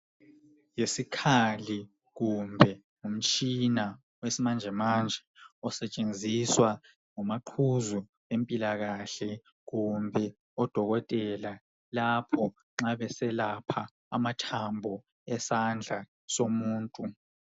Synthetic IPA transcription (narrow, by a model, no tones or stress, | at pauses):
jesikʰali | ɣumbʱɛ | um̩t͡ʃʼina | wesimand͡ʒʱɛmand͡ʒʱɛɔsɛt͡ʃʼend͡zʱiswa | ŋɔmaǃʰuzu | empʼilaɣaɬɛ | ɣumbʱɛ | ɔd̥ʱɔɣɔtʼɛla | lapʰɔ | ŋ͡ǁaβɛsɛlapʰa̰ː | matʰambʱɔ | ɛsand͡ɮʱa | somuːntʼu